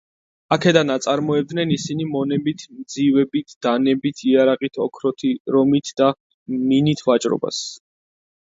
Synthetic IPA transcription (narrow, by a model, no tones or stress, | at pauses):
akʰɛd̪anat̪sʼaɾmɔɛb̚d̪nɛnisinimɔnɛbit̪ʰmd̪zivɛbit̪ʰd̪̥anɛbit̪ʰiaɾaʁit̪ʰɔkʰɾɔt̪ʰiɾɔmit̪ʰd̪̥a | minit̪ʰvat͡ʃʼɾɔ̰ba̰s